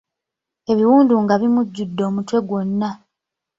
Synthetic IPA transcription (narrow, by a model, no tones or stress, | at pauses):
e̞βiwuːnduŋɡaβimuɟːudːo̞ːmutwe̞ɡwo̞nːa